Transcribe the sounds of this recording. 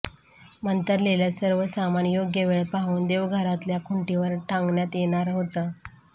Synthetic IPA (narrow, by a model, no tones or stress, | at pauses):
mənt̪əɾleljasəɾʋəsamanjoɡjəʋeɭpaɦuːnd̪eʋɡʱəɾat̪ljakʰuɳʈiʋəɾʈʰãŋɡɳjat̪jeɽ̃aɾɦot̪a